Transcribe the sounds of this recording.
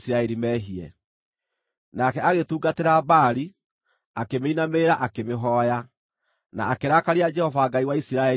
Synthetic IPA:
siɾaɛɾimɛːɦiɛ̰ | nakɛaɣetuːɡateɾabaːɾi | akemeinameɾaʔakemeɦɔːja | na̰ːkeɾaːkaɾead͡ʒɛhɔvaɡaiwaisiɾaɛ

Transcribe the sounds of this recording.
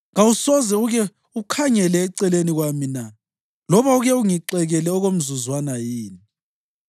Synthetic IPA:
ŋausɔzɛuɣɛ | ukʰaŋɛlɛːǀɛleniɣwamina | lɔβauɣɛuŋiǁɛɣɛlɛɔɣom̩zuzwanajiːni

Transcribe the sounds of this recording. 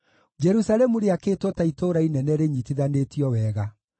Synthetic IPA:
d͡ʒɛɾusaɾɛmuɾeaketotaitoɾainɛnɛɾeɲitiðanetiɔwɛːɣa

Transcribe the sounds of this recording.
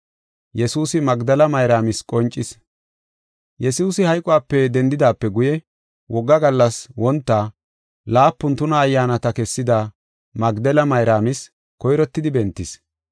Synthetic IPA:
jɛsuːsɪmɐɡd̪ɐlɐmɐjɾaːmɪskʼɔnt͡ʃʼːɪs | jɛsuːsɪhɐjkʼʊwaːpːɛd̪ɛnd̪ɪd̪aːpːɛɡʊjɛ | wʔɔɡːɐɡɐlːɐswɔnt̪ːɐ | laːpːʊnt̪ʊnɐːjːaːnɐt̪ɐkɛsːɪd̪ɐ | mɐɡd̪ɛlɐmɐjɾaːmɪs | kɔjɾɔt̪ːɪd̪ɪbɛnt̪ːɪs

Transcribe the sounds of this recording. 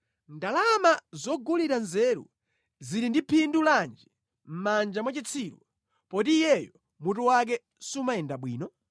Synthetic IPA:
ndalamazɔɡuliɾanzɛɾṵ | ziɾindipʰinduland͡ʒɛ | m̩mand͡ʒamwat͡ʃit͡sʰiːɾṵ | pɔtiːjɛjɔ | mutuwak̬ɛ | sumaɛndaɓwḭːnɔ

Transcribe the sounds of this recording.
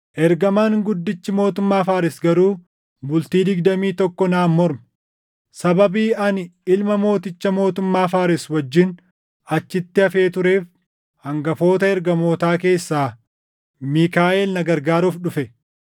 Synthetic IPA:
ʔɛɾɡɐmanɡʊd̪ːɪt͡ʃːɪmo̞ːt̪ʊmːaːfaːɾɪsɡɐɾuː | bʊlt̪iːd̪ɪɡd̪ɐmiːt̪ɔkːɔnaːmmːɔɾm | sɐbɐbiːɐnɪlmɐmo̞ːt̪ɪt͡ʃːɐmo̞ːt̪ʊmːaːfaːɾɛswɐd͡ʒːɪn | ɐt͡ʃːɪt̪ːɪɐfe̞ːt̪ʊɾe̞ːf | hɐŋɡɐfo̞ːt̪ɐɛɾɡɐmo̞ːt̪aːke̞ːsːaː | miːkaːʔɛlnɐɡɐɾɡaːɾuːfɗʊfɛ

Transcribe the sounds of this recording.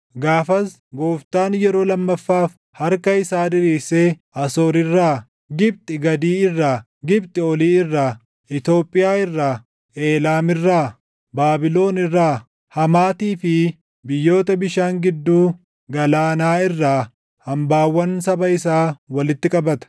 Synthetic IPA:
ɡaːfɐs | ɡo̞ːft̪aːnjɛɾo̞ːlɐmːɐfːaːf | hɐɾkɐɪsaːd̪ɪɾiːseː | ɐsoːɾɪrːaː | ɡɪb̚t̪ʼɪɡɐd̪iːɪrːaː | ɡɪbt̪ʼɪɔliːɪrːaː | ɪt̪o̞ːpʼːɪjaːɪrːaː | e̞ːlaːmɪrːaː | baːbɪlo̞ːnɪrːaː | hɐmaːt̪iːfɪ | bɪjːo̞ːt̪ɐbɪʃaːŋɡɪd̪ːuː | ɡɐlaːnaːɪrːaː | hɐmbaːwːɐnsɐbɐɪsaːwɐlɪt̪ːɪkʼɐbɐt̪ɐ̥

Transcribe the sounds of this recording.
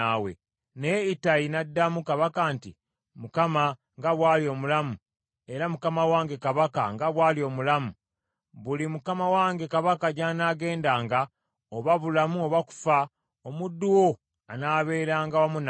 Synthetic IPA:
awḛ | neitainadːamukaβakantḭ | mukama | ŋɡaβwaːlio̞mulamu | eɾamukamawaːŋɡe̞kaβakaŋɡaβwaːlio̞ːmulamu | βulimukamawaːŋɡe̞kaβakaɟaːnaːɡe̞ːndaːŋɡa | oβaβulamuoβaku̥fa | omudːuwo̞ | anaːβe̞ːɾaːŋɡawamun

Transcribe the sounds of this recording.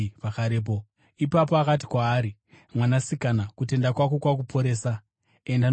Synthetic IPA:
pakaɾeːp̬o | ipap̬o̞akat̬i̥kwaːɾi | mwanasikanakut̬e̞ndakwako̞kwak̬upʰo̞ɾe̞ːsa | endan

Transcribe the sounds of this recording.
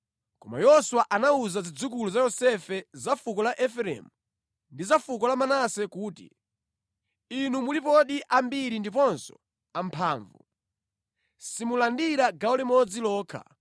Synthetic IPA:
kɔma̰jɔswaʔanauzazid͡zuk̬uluzajɔsɛfɛzafukɔlaʔɛfɛɾɛ̰mu | ndizafukɔlamanasɛkuːtḭ | inumulipɔɗiʔambiɾindipɔnsɔ̥̰ | ampʰaːɱvṵ | simulandiɾaɡaɔlɛmɔd͡zilɔːkʰa̰

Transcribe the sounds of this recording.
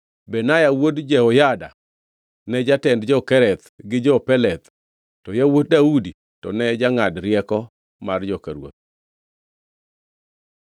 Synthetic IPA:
bɛnajawodd͡ʒɛhɔjada̰ | nɛd͡ʒatɛndd͡ʒɔkɛɾɛt̪ɡɪd͡ʒɔpɛlɛt̪ | tːɔjawot̚daudi | tɔ̰nɛd͡ʒaŋadɾjɛkɔ | mard͡ʒɔkaɾwo̰t̪̚

